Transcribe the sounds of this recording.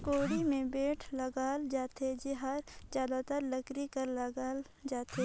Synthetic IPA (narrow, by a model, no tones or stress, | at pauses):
koːɽimẽbeːʈʰlɐɡaːld͡ʒaːt̪ed͡ʒeɦaːɾzjaːd̪at̪əɾlɐkɾikɐɾlɐɡaːl | d͡ʒaːt̪e